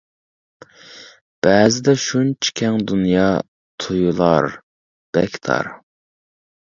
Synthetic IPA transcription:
b̥ɛːzɪd̪ɛʃunt͡ʃʰi̥kʲʰɛŋd̪unjɑː | t̪ʰujulˠɑɾ | b̥ɛkʲʰt̪ʰɑ̰ɾ

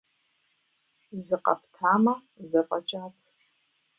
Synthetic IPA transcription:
zɨqɐ̰pʰtʰaːmɐ | zɨqʼɐt͡ʃʼaːtʰ

